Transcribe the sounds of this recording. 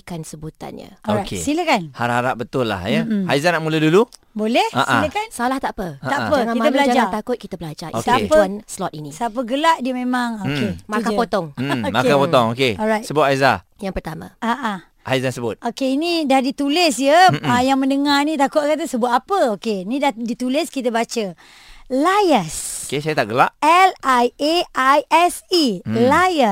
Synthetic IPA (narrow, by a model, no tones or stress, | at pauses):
kansəbut̪a̰nɲə̰ɔoɾajkesiləkanhaɾahaɾaʔ̚bət̪ʊlːa̰hjəazanaʔmulədulu | bolɛhaʔailəkansalaht̪aʔpəataʔpəkŋakit̪əbəlad͡ʒd͡ʒaaakʊt̪̚kit̪əbəlad͡ʒasappənslɔt̪̚inisəap̬əɡəlaʔdiəmẽmaŋokemakkapot̪ɔŋ̩makapot̪ɔŋokeɔɾajt̪səbʊt̪̚ajza̰ | jaŋpərt̪amã̰aʔa | ʔajzansəbʊ̰t̪̚okeinĩdahdit̪ulɪsjəajaŋmə̃ndəŋanĩt̪akʊt̪̚kat̪̬əsəbʊt̪apəokeinĩdahdit̪ulɪskit̪əbat͡ʃə | lajəsokesajat̪aʔɡəla̰ʔɛlajeajɛsilajə